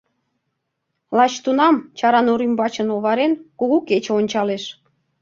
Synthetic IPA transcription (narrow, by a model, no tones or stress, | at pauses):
lɑt͡ɕt̪unɑmt͡ɕɑɾɑnoɾymbɑt͡ɕə̆noβɑɾenkuɣuket͡ɕeonʲt͡ɕɑleʃ